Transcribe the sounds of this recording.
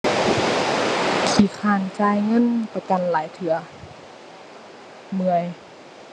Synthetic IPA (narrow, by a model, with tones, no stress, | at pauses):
kʰiː˨˩xʰaː˧˩nt͡ɕaː˧˨jŋɤ˧˥˨npa˧ka˨nlaː˨˦jt̪ʰɯ˨˩˦ɐ | mɯ˧əj